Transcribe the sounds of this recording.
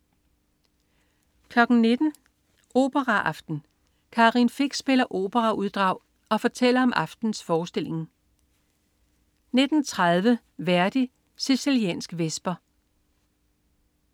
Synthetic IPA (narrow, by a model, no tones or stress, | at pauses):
kʰlɒ̽ɡ̥n̩ne̝d̥n̩ | ʔo̝̰ːb̥əʁɑʔɑ̈fd̥n̩ | kʰɑ̈ːʁinfe̝ɡ̥sb̥e̝lɐʔo̝̰ːb̥əʁɑ̈ʔuð̞ˠd̥ʁɑ̈ʊ̰ | ɒ̽fɒt͡sʰel̰ɐɒ̽mʔɑ̈fd̥n̩sfɒːsd̥e̝le̝ŋ | ne̝d̥n̩t͡sʰʁað̞ˠʋə | ʋæɐd̥i | sesiliɛ̰ːnsɡ̥ʋesb̥ɐ